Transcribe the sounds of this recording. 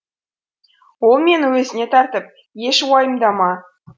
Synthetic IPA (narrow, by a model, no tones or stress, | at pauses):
olˠmʲenwɵ̆zʲɪnʲet̪ɑrt̪ɤ̆p̚ | jeʃwɑjɤ̆md̪ɑmɑ